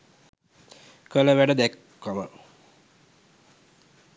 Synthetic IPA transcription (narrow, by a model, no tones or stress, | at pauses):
kələʋæɖəd̪ɛkːomə